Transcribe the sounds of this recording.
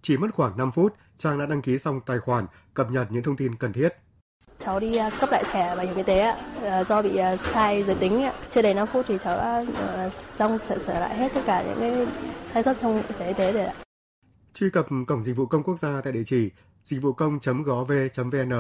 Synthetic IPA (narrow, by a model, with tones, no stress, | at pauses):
t͡ɕi˧˩mə˦˥t̚xwaː˧˩ŋna˧mfu˦˥t̚ | t͡ɕaː˧ŋɗa̰ː˧˥ɗa˧ŋki˨˦sa˧wŋ͡mt̪aː˨˩jxwaː˧˩n | kə˨˩p̚ɲə˨˩t̚ɲɨ̰˧˥ŋt̪ʰə˧wŋ͡mt̪i˧nkə˨˩nt̪ʰi˦˥ət̚ | t͡ɕɔ˨˦wɗi˧kə˦˥p̚la̰ː˧˨tʰɛ˧˩vaː˨˩hi˧˩˨ŋɲi˧t̪e˨˦ʔaː˧˦˨zɔ˧ɓḭ˧˨ə˨˩saː˧jzəː˨˦jt̪ï˨˦ŋ̟ʔaː˧˥t͡ɕi˧ɗə˧˩jna˧mfu˦˥t̚t̪ʰi˨˩t͡ɕɔ˨˦wɗa̰ː˧˥˧ | za˧wŋ͡msɛ̰˧˥səː˧˩la̰ː˧˨jɦe˦˥t̚t̪ə˦˥t̚kaː˧˩ɲɨ̰˧˥ŋkaː˨˦jsaː˧jswə˦˥t̚t͡ɕɔ˧wŋ͡mi˧t̪e˧˨i˧t̪e˨˦ɗe˧˩a̰ː˧˨ | t͡ɕwi˧kə˨˩p̚kə˧˩wŋ͡mzï˨˩k̟̚vṵ˧˨kə˧ŋ͡mku˦˥ək̚zaː˧t̪a̰ː˧˨jɗḭ˧˨t͡ɕi˧˩ | zï˨˩k̟̚vṵ˧˨kə˧wŋ͡mt͡ɕə˨˦mɣɔ˨˦ve˧t͡ɕə˨˦mve˧ʔɛ˧nʔəː˧˨˩